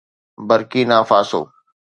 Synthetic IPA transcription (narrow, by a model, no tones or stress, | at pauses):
bəɾkiːnaːfaːso̰ː